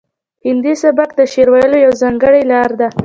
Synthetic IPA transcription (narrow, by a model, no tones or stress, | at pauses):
hɪnd̪isabakd̪əʃeɾwɑjəlojawzɑŋɡəɽajlɑɾd̪a